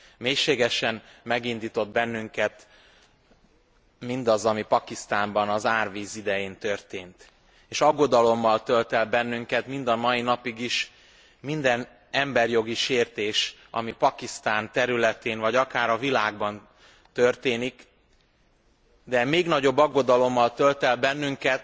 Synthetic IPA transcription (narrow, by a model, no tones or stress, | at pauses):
meːjʃeːɡɛʃɛnmɛɡind̪iːt̪o̞d̪bɛnːyŋkɛt̪ | mind̪ɒzɒmipɒkist̪aːmbɒnɒzaːrviːzid̪ɛjeːnt̪ørt̪eːnt̪ | eːʃɒɡːo̞d̪ɒlo̞mːɒlt̪ølt̪ɛlbɛnːyŋkɛt̪mind̪ɒmɒjinɒpiɡiʃ | mind̪ɛn | ɛmbɛrjo̞ɡiʃeːrt̪eːʃ | ɒ̰mipɒkist̪aːnt̪ɛɾylɛt̪eːnvɒɟɒkaːɾɒvilaːɡ̚bɒn | t̪ørt̪eːnik | d̪ɛmeːɡnɒɟo̞bːɒɡːo̞d̪ɒlo̞mːɒlt̪ølt̪ɛlbɛnːyŋkɛt̪